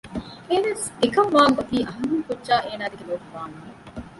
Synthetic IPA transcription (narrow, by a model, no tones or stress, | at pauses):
eʋesekɐmʋaːŋkɐt̪iːʔɐɦɐmiŋkudʒaːʔeːnaːd̪eɡeloːʈuʋaːnue